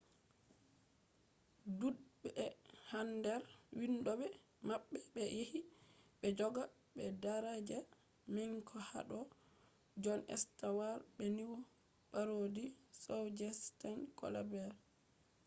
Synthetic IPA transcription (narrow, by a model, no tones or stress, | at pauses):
dubɛhandɛɾwinɗɔɓɛ | maɓːɛɓɛjehiɓɛd͡ʒɔɡa | ɓɛdaɾad͡ʒɛ | mɛŋkʰɔha̰ɗɔ | d͡ʒɔnʔɛ̰stawaɾɓɛniwɔ | ɓaɾodisowd͡ʒɛstankɔ̰la̰bɛɾ